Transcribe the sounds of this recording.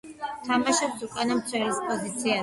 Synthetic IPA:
t̪ʰamaʃɛpsukʼanamt̪sʰwɛlispʼɔzit̪sʰia

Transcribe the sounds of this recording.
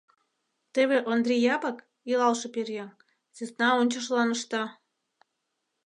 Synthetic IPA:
t̪eβeʔond̪rʲejɑpɑk | ilɑlʃɤperjɑn | t͡sinɑonʲt͡ɕəʃ̬lɑnəʃt̪ɑ

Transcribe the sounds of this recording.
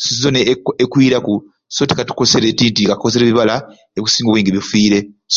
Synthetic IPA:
szoneekwiːɾaku | so̞ːti̥katu̥kose̞ɾe̞ːtiːntikatu̥kos̬eɾeβiβala | eiku̥siːŋɡoweːŋɡeβifiːɾe̞

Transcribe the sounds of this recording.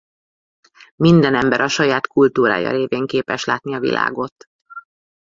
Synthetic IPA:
mind̪ɛnɛmbɛɾʔɒʃɒjaːt̪kult̪uːɾa̰ːjɒ̰ɾeːveːŋkeːpɛʃlaːt̪niɒvḭlʔa̰ːɡo̞t̪

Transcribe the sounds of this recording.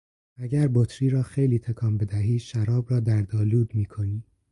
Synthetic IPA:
æɟæɾbot̪ʰɾiːɾɒːxejliːt̪ʰekʰɒːmbe̞d̪æɦiːʃæɾɒːbɾɒːd̪æɾd̪ɒːluːd̪miːkʰo̞niː

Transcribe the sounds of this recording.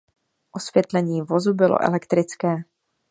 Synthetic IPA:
ʔo̞svjɛt̪lɛɲiːvo̞zubɪlo̰ʔɛ̰lɛkt̪ɾɪt͡skɛː

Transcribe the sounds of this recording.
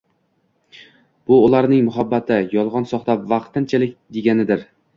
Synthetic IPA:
b̥ʊːlˠaɾnɪŋmʊɦabːat̪ʰɪjɒlˠʁɒnsɒχt̪apvɑqt̪ʰɪnt͡ʃʰalɪk̚ʲd̪e̞ɡʲanɪd̪ɪɾ

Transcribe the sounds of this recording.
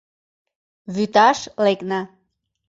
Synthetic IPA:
βyt̪ɑʃlekna

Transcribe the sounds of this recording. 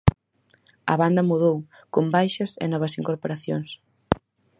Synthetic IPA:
ɐ̰βand̪ɐmuðow | kombajʃɐsḛnɔβ̞ɐsiŋkoɾpoɾaθjoŋs

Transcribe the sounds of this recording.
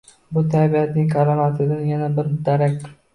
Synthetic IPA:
bʊt̪ʰabiat̪nɪŋʲkʰaɾɑmat̪ʰɪd̪anjanabɪɾd̪aɾak̚ʲ

